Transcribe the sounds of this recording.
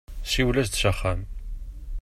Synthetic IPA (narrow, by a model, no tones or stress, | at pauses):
siwlæst̪ʃəχːæm